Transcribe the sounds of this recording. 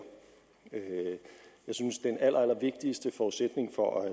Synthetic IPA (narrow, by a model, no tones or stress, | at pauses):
ø | jɑ̈ɪsynsd̥enæl̰ʔɐælɐʋe̝ɡ̥̚d̥isd̥əfɒːused̥ne̝ŋfɒʔæ